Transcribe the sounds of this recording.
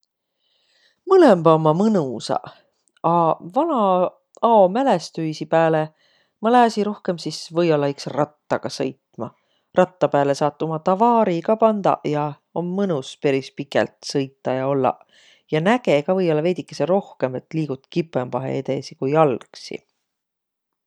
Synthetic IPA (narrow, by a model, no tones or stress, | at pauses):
mɤlemb̥ɑomːɑmɤnusɑ̰ | ɑvɑnɑ | ɑomælest̪yjsipæːle | mɑlæːsiɾo̞hke̞msisvɤjo̞lːɑiksrɑt̪ːɑɡ̥ɑsɤ̰jt̪ˑmɑ̰ | rʔɑt̪ːɑpæːle̞sɑːt̪ˑːomɑt̪ɑvɑːɾiɡɑpɑnd̪̥ɑ̰jɑ | omːɤnuspe̞ɾispikˑḛlt̪sɤjt̪ˑːɑjɑo̞lːɑ̰ | jɑnæɡeɡɑvɤjo̞lːɑve̞d̪ikːˑeseɾo̞hke̞me̞t̪ˑliːɡ̥ut̪ˑkipˑempɑɦḛed̪e̞̰sikujɑlksḭ